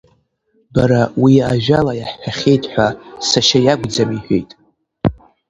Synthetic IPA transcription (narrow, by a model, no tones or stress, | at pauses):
baɾawiaʒᶣalajaħːᶣaχʲe̞jtʼħʷasaʃajaɡʷd͡zamiħʷᶣḛjtʼ